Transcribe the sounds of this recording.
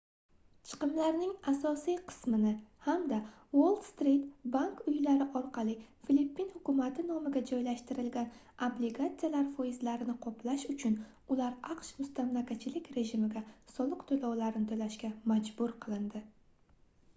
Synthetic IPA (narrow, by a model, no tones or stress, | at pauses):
t͡ʃʰɨ̥qɨmlaɾnɪŋasɒsijqʰɨ̥smɪnɪhamd̪a | wolˠt̪st̪ɾit̪bankʊjlaɾɪʔɒɾqʰɑlˠɪfilipʰːinhʊkʊmat̪ʰɪnɒmɪɡʲad͡ʒɒjlaʃt̪ɪɾɪlɡʲan | obliɡat̪sijalaɾfojɪzlaɾɪnɪqʰɒpʰlaʃʊt͡ʃʰʊn | ʊlaɾaqʃmʊst̪amlakʲat͡ʃʰɪlɪkʲɾe̞ʒɪmɪɡʲasɒlˠɨqt̪ʰolɒwlaɾɪnɪt̪ʰolaʃkʲamad͡ʒbʊɾqʰɨlˠɪnd̪ɪ